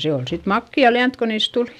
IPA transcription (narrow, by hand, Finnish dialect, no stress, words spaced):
se ol sit mɑkːiɑ liænt ko niːs tul